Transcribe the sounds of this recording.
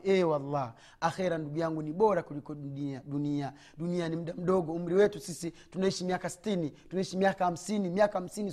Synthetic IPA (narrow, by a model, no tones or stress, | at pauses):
ɛwalːa | axɛɾanduɡujaŋɡuniɓɔɾakulikɔiaɗunia | ɗunianim̩ɗam̩ɗɔɡɔum̩ɾiwɛtusisitunaiʃimiakasi̥tinitunaiʃimiakaham̩sinimiakaham̩sini